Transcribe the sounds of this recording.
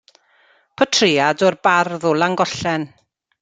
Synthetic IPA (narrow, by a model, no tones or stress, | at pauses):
pʰɔtʰrɪadɔrbarðɔlˠaŋɡɔɬɛn